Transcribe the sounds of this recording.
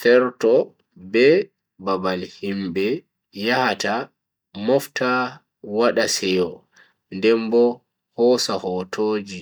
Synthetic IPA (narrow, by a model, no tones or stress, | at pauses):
fɛɾtɔ | bɛ | babalhimbɛ | jahata | mɔfta | waɗasɛjɔ | ndɛmbɔ | hɔːsahɔtʰoːd͡ʒi